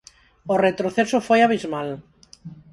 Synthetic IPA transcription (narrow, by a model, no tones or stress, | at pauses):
oret̪ɾoθesofojaβ̞izmal